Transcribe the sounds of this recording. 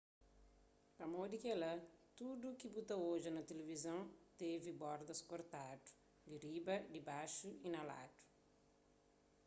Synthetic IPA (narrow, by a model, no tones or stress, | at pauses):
pɐmod̪ikɛlɐt̪ud̪ukibut̪ɐoʒinɐt̪elevizɐ̃w̃t̪evibɔɾd̪ɐskoɾt̪ad̪u̥ | ɡiɾibɐd̪ibaʃuinɐla̰d̪u̥